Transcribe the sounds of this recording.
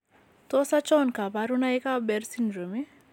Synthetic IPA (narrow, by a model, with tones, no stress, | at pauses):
t̪ɔ˦sa˦t͡ʃɔ˦nka˨paɾuna˦ɪ˦ka˦bɛ˨ɾsi˦nɾo˨me˦